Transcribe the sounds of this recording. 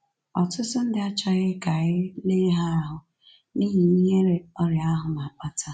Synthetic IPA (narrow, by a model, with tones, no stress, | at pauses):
ɔ˨tʊ˦tʊ˦n̩˦dɪ˦a˦t͡ʃa˨ɣɪ˦ka˨ɣɪ˦ne˦ɦa˦a˦ɦʊ˨ | niː˦ɦi˨i˦ɦe˦ɾe˦ɔ˦ɾja˦ɦʊ˨ma˨ɔ˨tʰa˦